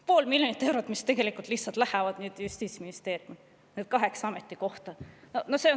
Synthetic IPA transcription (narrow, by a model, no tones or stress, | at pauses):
po̞ːlmilʲjonit̪ːˑe̞wɾot̪ːˑmist̪e̞ɡ̥e̞likult̪lihtsɑlt̪ˑlæhævɑd̪̥nyːd̪̥just̪isminist̪e̞ːɾjum | ned̪̥̚kɑɦe̞ksɑme̞t̪ˑːiko̞ht̪ɑnonose̞o